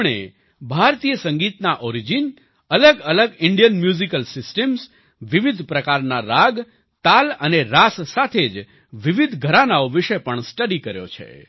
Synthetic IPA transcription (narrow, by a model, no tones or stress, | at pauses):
ɳ̃ḛ | bʱaɾt̪ijəsəŋɡit̪naʔɔɾid͡ʒin | ələɡələɡɪɳɖijənmjuzikəlsɪsʈəms | ʋiʋid̪ʱpɾəkaɾnaɾaɡ | t̪aləneɾassat̪ʰed͡ʒ | ʋiʋid̪ʱɡʱəɾanaoʋɪʃepəɳsʈəɽikəɾjo̰t͡ʃʰḛ